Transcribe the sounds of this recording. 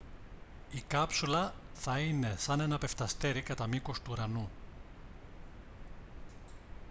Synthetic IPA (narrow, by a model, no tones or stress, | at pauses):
ikɐpsulɐθɐine̞sɐne̞nɐpe̞ft̪ɐst̪e̞ɾikɐt̪ɐmiko̞st̪uɾɐnu